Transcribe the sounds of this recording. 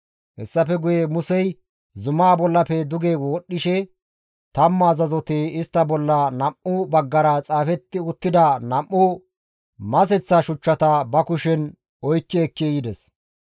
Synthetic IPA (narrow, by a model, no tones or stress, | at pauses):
hɛsːɐfɛɡʊjemʊsɛj | zʊmaːbɔlːɐpɛd̪ʊɡewɔːɗːɪʃɛ | t̪ɐmːɐːzɐzɔt̪eːɪst̪ːɐbɔlːɐnɐmʔʊbɐɡːɐɾɐt͡sʼaːfɛt̪ːɪʊt̪ːɪd̪ɐnɐmːʊ | mɐs̬ɛt͡sːɐʃʊt͡ʃːɐt̪ɐbɐkʊʃɛn | ɔjkːɛːkːejɪd̪ɛs